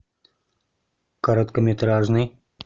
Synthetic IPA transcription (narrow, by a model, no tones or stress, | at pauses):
kɐɾot̪kəmʲet̪ɾaʐnɨj